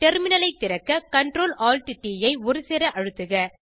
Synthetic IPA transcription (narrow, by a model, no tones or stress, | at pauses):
ʈɛɾmɪnɐlɐɪt̪ːɪɾɐkːɐkɐɳɖɾoːlaːlʈɪʈːiːjɐɪɔɾɯsɛɾɐʔɐɻɯt̪ːɯɣɐ